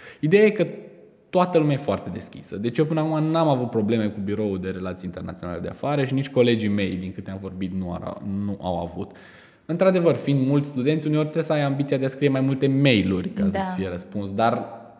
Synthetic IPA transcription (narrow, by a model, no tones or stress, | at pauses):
id̪e̞jaje̞kə | t̪oat̪əlumeajefoart̪e̞d̪e̞skʲḭsəd̪e̞t͡ʃijep̬ɨnlaumanamavut̪̚pɾo̞ble̞me̞kubiɾo̞uld̪e̞ɾe̞lat̪sieint̪e̞rna̰t̪io̞na̰le̞d̪e̞a̰faɾəʃinit͡ʃʲko̞le̞d͡ʒime̞jd̪iŋkɨt̪eamvo̞rbit̪nṵnuʔa̰wa̰vṵt̪ | ɨnt̪ɾad̪e̞vərfind̪mult̪sʲst̪ud̪e̞nt̪sʲuneo̞rʲt̪ɾesəajambit̪siad̪easkɾije̞majmult̪e̞me̞jlurʲkasəsʲfieɾəspunsd̪ar